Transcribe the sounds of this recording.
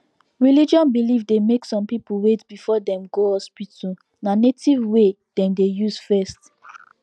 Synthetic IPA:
ɹilid͡ʒɔ̃nbilifdemeksɔ̃mpipuwetbifɔdɛ̃mɡohɔspitʰu | nanetivwe | d̥ɛ̃mdejuzfɛst

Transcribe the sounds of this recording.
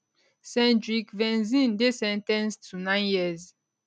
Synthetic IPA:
sɛ̃ndɹikvɛ̃nzĩndesɛ̃ntɛ̃nstʰunãnjiz

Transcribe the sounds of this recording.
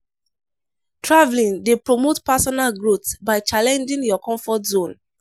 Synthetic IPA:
tʰɹavlĩŋdepɹɔmotpasɔnalɡɹotsbaɪt͡ʃalɛ̃nd͡ʒĩŋjɔkɔ̃ɱfɔtzõn

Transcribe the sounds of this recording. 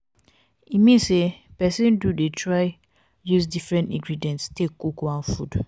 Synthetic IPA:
imĩnsepɛsĩndudetʰɹaɪ | jusdifɹɛ̃ntĩɡɹidiɛ̃ntstekkukuãnfud

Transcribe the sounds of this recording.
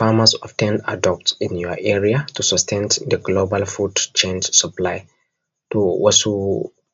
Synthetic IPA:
famasɔftʰɛ̃nda̰dɔp̚tĩnjuaʔɛɹiatusɔstʰɛ̃ntd̪əɡlobalfudt͡ʃẽnd͡ʒsuplaɪ | tuwɔsu

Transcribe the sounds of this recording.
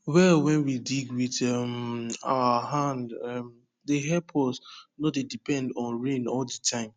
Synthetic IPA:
wɛlwɛ̃nwidiɡwitɛma̰əɦãndɛm | deɦɛpʰɔsnodedipɛ̃ndɔ̃nɹẽnɔldətʰãɪ̃m

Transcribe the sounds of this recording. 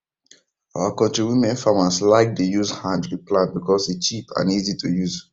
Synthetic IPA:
aakɔ̃ntɹiwimɛ̃nfamaslaɪk̚dejuzhãndɹiplãntbikɔsdet͡ʃipʰã̰nizitʰujuz

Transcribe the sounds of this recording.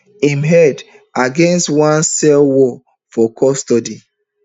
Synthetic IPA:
ĩmɦɛd | aɡɛ̃nstwãnsɛlwɔ | fɔkʰɔstɔdi

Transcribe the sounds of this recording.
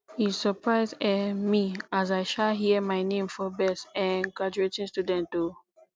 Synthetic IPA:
isɔpɹaɪzdɛmiazaɪʃalɦiəmaɪnẽmfɔbɛsɛ̃nɡɹad͡ʒuetĩnstudɛ̃nto

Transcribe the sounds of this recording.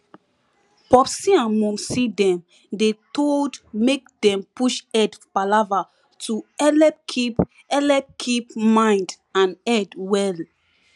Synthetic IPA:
pɔpsiãnmũmsidɛ̃m | detoldmek̚dɛ̃mpuʃɛdbalava | tuɛlɛpkʰip | ɛlɛp̚kʰip̚mãɪ̃nd | ãnɛdwɛl

